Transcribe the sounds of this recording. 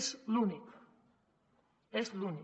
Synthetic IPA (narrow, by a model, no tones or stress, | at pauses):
slunik | esluni